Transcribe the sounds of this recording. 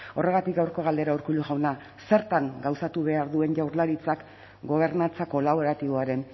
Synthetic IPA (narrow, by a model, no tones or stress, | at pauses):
o̞re̞ɣ̞at̪ik̚ɡawɾko̞ɣald̪e̞ɾaoɾkuluɣawna | se̞ɾt̪aŋɡawsat̪uβe̞aɾðue̞nʝawɾlaɾit͡sak | ɡo̞β̞e̞ɾnat͡sako̞laβ̞o̞ɾat̪iβo̞aɾe̞n